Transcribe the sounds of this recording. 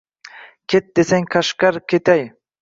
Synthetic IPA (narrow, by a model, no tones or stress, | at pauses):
kʲʰet̪̚d̪esaŋqʰaʃkaɾkʲʰet̪ʰaj